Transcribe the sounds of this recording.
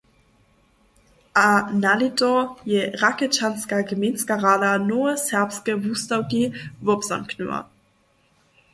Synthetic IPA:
ʔanalitɔjɛʁakət͡ʃanskaɡəmenskaʁaːdanɔəsɛɐpskəvustawɡivɔpsa̰mkʰnṵɐ̰

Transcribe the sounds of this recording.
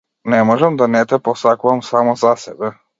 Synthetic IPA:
nɛmɔʒɛmd̪anɛt̪ɛpɔsakuvamsamɔzasɛbɛ

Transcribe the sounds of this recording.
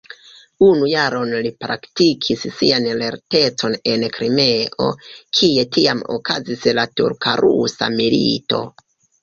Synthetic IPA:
unujaɾo̞nlipɾʔaktikʰissianle̞̰ɾte̞t͡so̞ne̞nkɾimeʔo̞̰kʰie̞tʰiamo̰kʰazislatuɾkʰa̰ɾṵsa̰milḭto̞̰

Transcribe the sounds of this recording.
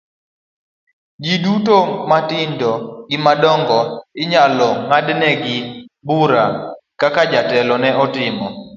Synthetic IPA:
d͡ʒidutomatɪndɔɡɪmadɔŋɡɔɪɲalɔŋadnɛɡɪbuɾakakad͡ʒatɛlɔnɛʔɔtɪmɔ

